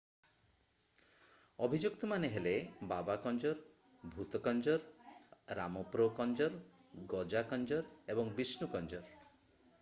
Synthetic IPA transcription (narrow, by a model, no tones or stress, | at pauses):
ɔbʱid͡ʒukt̪ɔmaneɦelebabakɔnd͡ʒɔɾ | bʱut̪ɔkɔnd͡ʒɔɾɾa̰mɔpɾokɔnd͡ʒɔɾ | ɡɔd͡ʒakɔnd͡ʒɔɾebɔŋbisnukɔnd͡ʒɔɾ